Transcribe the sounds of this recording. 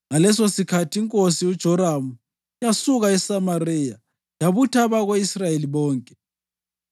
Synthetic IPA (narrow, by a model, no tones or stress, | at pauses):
ŋalɛs̬osikʰatʰiiŋkʼosiud̥ʒ̥ʱɔɾamu | jasuɣaɛsamarija | jaβutʰaβaɣweisrajeliβɔːŋkʼɛ̥